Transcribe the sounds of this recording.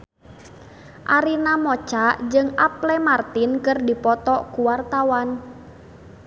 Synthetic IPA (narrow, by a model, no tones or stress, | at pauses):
ʔaɾinamɔt͡ʃaʔd͡ʒɨŋʔaplɛmart̪ɪnkərdipɔt̪ɔʔkuwart̪awan